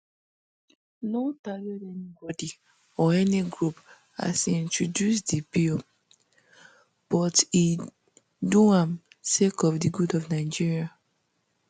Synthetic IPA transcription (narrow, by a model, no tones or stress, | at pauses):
notajɔdɛnibɔdi | ɔɛniɡɹup | a̰sĩntɹɔdjus̬dibil | b̥ɔti | duãm | sekɔfdiɡudɔvnaɪd͡ʒiɹia